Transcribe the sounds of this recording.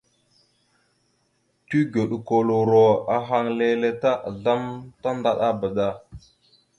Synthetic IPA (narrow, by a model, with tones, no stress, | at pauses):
ti˦ɡo˨ɗko˨lo˨ɾo˨a˨ɦa˨ŋle˨le˨ta˦ʔa˨ɮa˦mta˦nda˨ɗa˦ba˨da˦˨